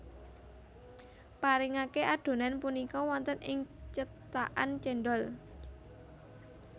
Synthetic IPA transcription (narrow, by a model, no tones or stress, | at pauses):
paɾɪŋakeʔaɖ̪̥o̤nanpunikɔwɔnt̪ənɪŋt͡ʃət̪a̰ʔant͡ʃɛnɖɔl